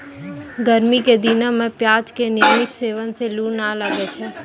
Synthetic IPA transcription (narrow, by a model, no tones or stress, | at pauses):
ɡəɾmiked̪inəmẽpjaːd͡ʒkenɪjəmɪt̪seːʋənseluːnaləɡɛt͡ʃʰɛ